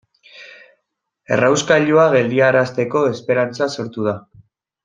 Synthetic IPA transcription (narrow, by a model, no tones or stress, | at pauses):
e̞̰rawskaʎuaɣe̞ld̪iaɾast̪e̞ko̞e̞spe̞ɾant͡saso̞ɾt̪uð̞a